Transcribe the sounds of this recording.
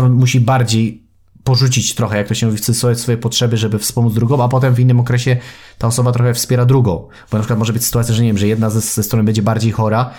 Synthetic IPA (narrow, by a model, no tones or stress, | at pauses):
ɔnmuɕibaɾd͡ʑej | pɔʐut͡ɕit͡ɕt̪ɾɔxɛjak̚t̪ɔɕɛmuvʲissɔsfɔjɛpɔtʂɛbɘʐɛbɘfspɔmud̪zd̪ɾuɡɔ̃w̃apɔt̪ɛmvinːɘmɔkɾɛɕɛt̪aɔsɔbat̪ɾɔxɛfspʲjɛɾad̪ɾuɡɔ̃w̃ | b̥ɔnapʂɘkat̪mɔʐɛbɘt͡ɕʲsɘ̥t̪uat̪sʲjaʐɛɲevʲjɛmʐɛjɛd̪nazɛzɛst̪ɾɔnɘbɛɲd͡ʑɛbaɾd͡ʑejxɔɾa